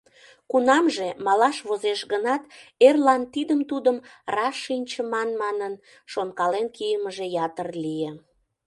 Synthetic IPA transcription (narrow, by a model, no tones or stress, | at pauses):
kunɑmʒemɑlɑʃβozeʃɣənɑt̪erlɑnt̪id̪əmt̪ud̪əmrɑʃːinʲt͡ɕəmɑnmɑnən | ʃonkɑlenkijəməʒejɑt̪ərlije